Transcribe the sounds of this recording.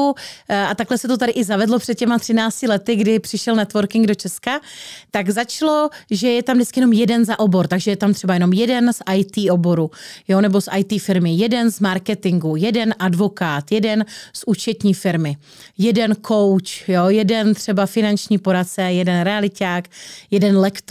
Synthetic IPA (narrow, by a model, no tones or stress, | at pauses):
uat̪aklɛsɛt̪o̞t̪̬adɪʔɪzavɛdlo̞pr̝̥ɛt̪̚cɛmat̪r̥ɪnaːt͡scɪlɛt̪ɪɡdɪpr̝̥ɪʃɛlnɛt̪vo̞ɾkɪŋɡdo̞t͡ʃɛskat̪aɡzat͡ʃloʒɛjɛt̪amdɪt͡skɪjɛno̞mjɛdɛnzaʔo̞bo̞ɾt̪aɡʒɛjɛt̪amt̪r̝̥ɛbajɛno̞mjɛdɛnsʔajt̪iːʔo̞bo̞ɾujonɛbo̞sʔajt̪iːfɪɾmɪjɛdɛnzmaɾkɛt̪ɪŋɡujɛdɛnʔadvo̞kaːt̪jɛdɛnsʔuːt͡ʃɛt̪ɲiːfɪɾmɪ | jɛdɛnkʰo̞wt͡ʃjojɛdɛnt̪r̝̥ɛbafɪnant͡ʃɲiːpo̞ɾat͡sɛjɛdɛnɾɛalɪcaːkjɛdɛnlɛkt̪